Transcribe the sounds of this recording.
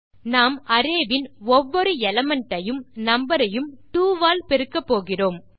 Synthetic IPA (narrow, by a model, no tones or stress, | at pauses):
naːmɐɾeːʋɪnɔʋːɔɾɯɛlɐmɐɳʈːɐjɯmnɐmbɐɾɐjɯmʈuːʋaːlpɛɾɯkːɐpːoːɣɪroːm